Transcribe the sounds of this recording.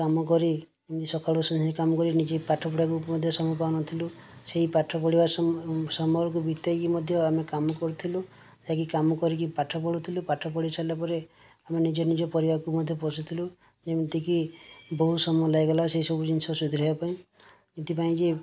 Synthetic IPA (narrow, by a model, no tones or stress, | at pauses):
kamɔk̬ɔɾid͡ʒemit̪isɔkʰalɔsɔnikamɔkɔɾinid͡ʒepaʈʰɔpɔɽakumɔd̪ʱjɔsɔmupawnɔt̪ʰiluseɦipaʈʰɔpɔɽibasɔmɔɾɔk̬ubit̪ekimɔd̪ʱjɔamekamɔkɔɾut̪ʰilu | d͡ʒak̬ikamɔkɔɾik̬ipaʈʰɔpɔɽut̪ʰilupaʈʰɔpɔɽit͡ʃʰalapɔɾe | amenid͡ʒɔnid͡ʒɔpɔɾibakumɔd̪ʱjɔpɔsut̪ʰilu | d͡ʒemit̪ikibɔɦusɔmɔɔlajɡalaseɦisɔbud͡ʒinsɔsud̪ʱiɾɔpaĩ | it̪ʰipaĩd͡ʒe